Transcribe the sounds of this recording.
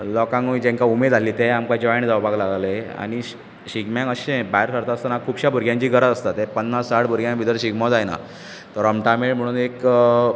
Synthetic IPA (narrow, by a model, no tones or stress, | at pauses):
lɔkãŋuid͡ʑɛ̃ŋkaumed̪aliːt̪eamkad͡ʑjɳ̃d͡zawbʱaɡlaɡlea̰ɽ̃i | ɕiɡmjãkəɕẽbaeɾsəɾt̪aəst̪anakʰuːbɕabʱuɾɡjãɲt͡ɕiːɡəɾəd͡zəst̪at̪ːepənːassaʈbʱuɾɡjãbid̪əɾɕiɡmad͡zajna̰ | t̪əɾəmʈameʈm̤əɽ̃uːnek